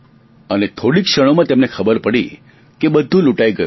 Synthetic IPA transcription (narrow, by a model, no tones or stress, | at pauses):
ənet̪ʰoɽikʃəɽ̃omãt̪emnekʰəbəɾpəɽḭ | kebəd̪ʱːũluʈaiɡəj